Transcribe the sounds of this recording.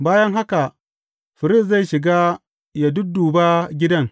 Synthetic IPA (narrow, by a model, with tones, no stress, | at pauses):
baː˦jɐ˦ŋɦa˦ka˨ | ɸɪ˨ɾɪ˦˨s̬za˦˨jʃɪ˨ɡaː˦ | ja˨dʊ˦duː˨ba˦ɡʲɪ˦dɐ˦ŋ